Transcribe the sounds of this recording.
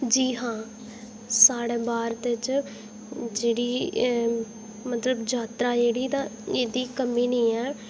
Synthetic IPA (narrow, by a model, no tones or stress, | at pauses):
d͡ʒiːɦãː | saːɽeːbaːɾt̪ɪt͡ʃ | d͡ʒeːɽiː | mət̪ləbd͡ʒaːt̪ɾaːd͡ʒeːɽiːt̪ãːeːd̪iːkəmiːnĩːɛː